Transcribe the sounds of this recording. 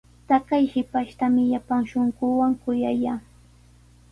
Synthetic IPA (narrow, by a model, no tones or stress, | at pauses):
t̪akajhɪpaʃt̪amɪjapaŋʃoɴɢʊwaŋkʊjajaː